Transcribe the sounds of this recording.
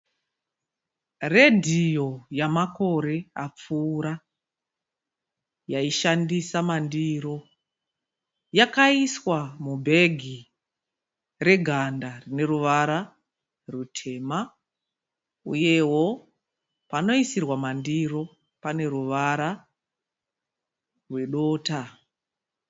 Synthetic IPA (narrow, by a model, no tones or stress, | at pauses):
re̞dʱijo̞jamako̞ɾe̞ap͡fuːɾa | jaiʃandisamandiɾo̞ | jakaiswamubʱe̞ɡʱi | re̞ɡʱandarine̞ruʋaɾa | rutʰe̞ma | ṵje̞wo̞ | pano̞isirwamandiro̞ | pane̞ruʋaɾa | rwe̞ɗo̞ːta